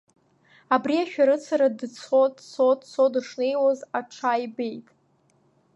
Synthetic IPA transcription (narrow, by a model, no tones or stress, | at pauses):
abriaʃᶣaɾɨt͡sʰaɾadt͡sʰodt͡sʰodt͡sʰodʂnejwozaʈ͡ʂʰajbe̞jtʼ